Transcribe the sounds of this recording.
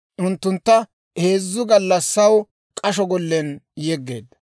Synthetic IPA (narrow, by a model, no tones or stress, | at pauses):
ʔʊnt̪ːʊnt̪ːɐ | he̞ːzːʊɡɐlːɐsːɐw | kʼɐʃɔɡɔlːɛnjɛɡːe̞̰ːd̪ɐ̥